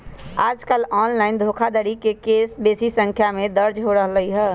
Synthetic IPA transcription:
aːd͡ʒkəlɔːnlaːɪnd̪ʱoːkʰad̪əɾikekeːsbeːsisə̃ŋkʰjamẽd̪əɾd͡ʒɦoɾəɦləiɦɛː

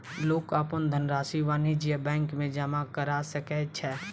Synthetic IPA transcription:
loːkaːpənd̪ʱənɾaːsiʋaːnid͡ʒiəbɛ̃ːŋkmẽd͡ʒamakəɾasəkɛt͡ʃʰɛ

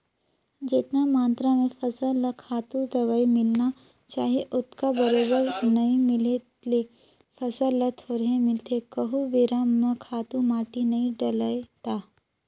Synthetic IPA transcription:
d͡ʒɪt̪namãːnt̪ɾamẽfɐsəlɐkʰaːt̪ud̪ɐɡaimɪlna | t͡ʃaːɦieʔʊt̪kabɐɾoːbəɾnɐɦĩmɪle | le | fɐsəlːət̪oːɾɦẽmɪlt̪ekɐɦubɪɾamə̃kʰaːt̪ũmaːʈinɐĩɖɐləjt̪aː

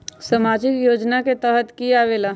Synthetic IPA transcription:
səmaːd͡ʒɪkjoːd͡ʒnaket̪əɦət̪kiaʋeːlaː

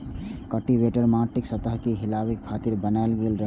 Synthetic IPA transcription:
kəʈiʋeʈəɾmaʈiksət̪əɦkiɦɪlawikʰːaːt̪iɾbənaelɡelɾəɦ

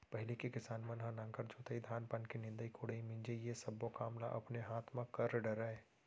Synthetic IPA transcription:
pɛɦɪlikekɪsaːnmɐnɦãnãːŋkəɾd͡ʒoːt̪əid̪ʱaːnpɐnkinɪ̃nd̪əikʰoːɽəimɪ̃nd͡ʒejesɐbːokaːmla̰ʔɐpneɦaːt̪ʰmãkɐɾɖəɾae

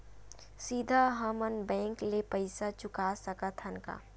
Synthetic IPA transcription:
siːd̪ʱaɦɐmənbɛ̃ːŋklepɐɪsat͡ʃʊkasəkat̪ʰənka̰ː

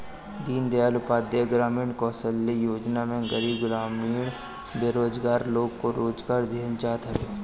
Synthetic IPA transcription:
d̪iːnd̪eaːlʊpaːd̪jeɡɾaːmiːɳkɔ̃ːsəlːijoːd͡ʒnamẽɡəɾiːbɡɾaːmiːɳ | beːɾoːd͡ʒɡaːɾloːɡkoɾoːd͡ʒɡaːɾd̪ʱeːld͡ʒaːt̪ɦəɾeː

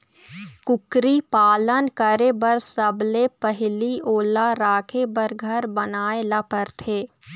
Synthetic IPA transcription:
kʊkɾipaːlənkəɾebəɾsəblepəɦlioːlaɾaːkʰebəɾɡʱɐɾbənaːelɐpəɾt̪ʰeː

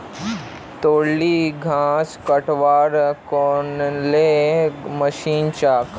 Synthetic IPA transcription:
t̪oːɽːiɡʱãːskəʈʋaːɾkɔːnleməʃiːnt͡ʃaːk

